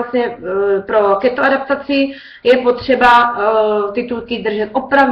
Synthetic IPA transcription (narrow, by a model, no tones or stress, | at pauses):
ast̪ɲɛpɾokɛt̪oadap̚t̪at͡sɪ | jɛpot̪r̝̥ɛba | t̪ɪt̪ulkɪd̪r̩ʒɛt̪ʔopɾav